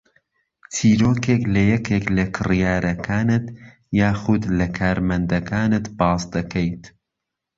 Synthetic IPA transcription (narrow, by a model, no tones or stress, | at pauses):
tʰiːɾoːkʰeːklɐjɛkʰeːklɐkʰɨrjaːɾʔɐkʰaːnɨt̪ | jaːxʊd̪lɐkʰaːɾmɐnd̪ɐkʰaːnɨt̪bɑːsd̪ɐkʰɐjt̪